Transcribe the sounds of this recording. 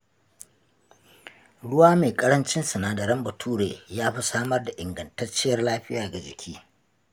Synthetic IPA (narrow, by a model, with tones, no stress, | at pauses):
ɽʊ˦waː˦meː˨kʼɐ˦ɽɐ˦nt͡ʃɪ˦nsɐ˨naː˨dɐ˨ɾɐ˦mbɐ˨tʰuː˦ɽeː˨jaː˦ɸi˦saː˦mɐ˦rda˨ʔɪ˨ŋɡɐ˨ntɐ˦rt͡ʃːɪ˦jɐ˦rlaː˦ɸɪ˦jaː˨ɡa˨d͡ʒɪ̰˨kʲʰiː˦